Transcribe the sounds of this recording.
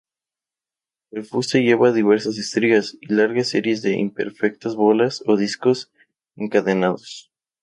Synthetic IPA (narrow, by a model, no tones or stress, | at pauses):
elfust̪eʝe̞βaðiβ̞e̞ɾsas̬est̪ɾiɣasilaɾɣasːeɾjezðe̞ʔḭmpe̞̰ɾfe̞k̚t̪azβolasoðisko̞s | eŋkaðenaðos